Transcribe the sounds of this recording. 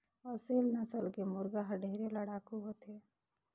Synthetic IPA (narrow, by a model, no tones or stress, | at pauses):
ɔːɾseːlnəsəlkemʊɾɡaɦəɖʱeːɾeləɽaːkuɦoːt̪e